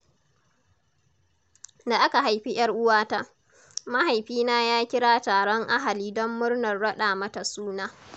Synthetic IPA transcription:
da˨ʔa˦ka˨ɦa˨jɸi˦j̰ɐ˦rʔʊ˦waː˦ta˦ | ma˦ɦa˨jɸiː˦naː˦jaː˦kʲɪ˦ɽaː˦taː˨ɽɔ˦ŋʔa˦ɦa˨liː˦dɔ˦mːʊ˦ɽnɐ˨rɽɐ˦ɗaː˨mɐ˦ta˨suː˦naː˦

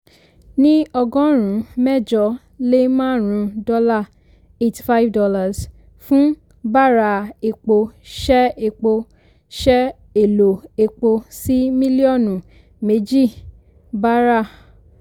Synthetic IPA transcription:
nĩ˦ɔ˧ɡɔ̃˦ɾ̃ũ˨˦mɛ˦˨d͡ʒɔ˧˦ | le˦mãː˦˨ɾ̃ũ˧˦dɔ˦la˦˨ | e˦ti̥˨fa˦i˦vdɔ˧la˦˨s | fũ˦ | ba˦˨ɾa˧˨e˨k͡po˧ʃɛ˦e˧k͡po˧ | ʃɛ˦ | e˨lo˨e˧k͡po˧si˦mĩ˦li˦ɔ˦˨nũ˨ | me˨˦d͡ʒi˦˨ | ba˦ɾa˦˨

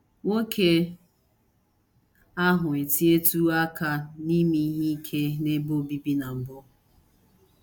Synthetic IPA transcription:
ŋo˦kʰe˦ | a˦ɦʊ˨e˨ti˦e˦tu˦a˦ka˦ni˦mi˦ɦi˦i˦kʰe˦ne˦bo˦bi˦bi˦na˨m̩˨bʊ˦

